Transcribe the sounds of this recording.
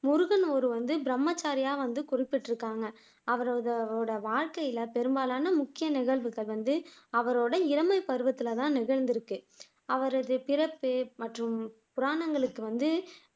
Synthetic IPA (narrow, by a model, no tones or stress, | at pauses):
mʊɾʊɣɐnɔɾɯʋɐnd̪ɯbɪɾɐmːɐt͡ʃːaːɾɪjaːʋɐnd̪ɯkʊrɪpːɪʈːɪɾɯkːaːŋɡɐ | ɐʋɐɾoːðɐoːɽɐʋaːɻkɐjɪlɐpɛɾɯmbaːlaːnɐmʊkːɪjɐnɪɣɐɭʋɯɣɐɭʋɐnd̪ɯɐʋɐɾoːɽɐɪɾɐmɐɪpɐɾɯʋɐt̪ːɪlɐt̪ãːnɪɣɐɻnd̪ɪɾɯkːɯ | ɐʋɐɾɐðɯpɪɾɐpːɯmɐʈrɯmpʊɾaːɳɐŋɡɐɭɯkːɯʋɐnd̪ɯ